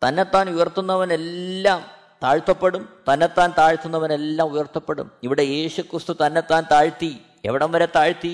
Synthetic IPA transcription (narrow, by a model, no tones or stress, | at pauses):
t̪ɐnːe̞t̪ːaːnujɐrt̪ːunːɐʋɐne̞lːaːm | t̪aːɻt̪ːɐpːe̞ɽumt̪ɐnːe̞t̪ːaːnt̪aːɻt̪ːunːɐʋɐne̞lːaːmujɐrt̪ːɐpːe̞ɽṵmiʋiɽe̞je̞ːɕukrist̪ut̪ɐnːe̞t̪ːaːnt̪aːɻt̪i | e̞̰ʋiɽɐmʋɐɾet̪aːɻt̪ːi